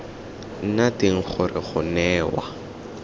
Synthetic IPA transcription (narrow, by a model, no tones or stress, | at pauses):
n̩natɪŋ̩χʊrɪχʊnɛːwa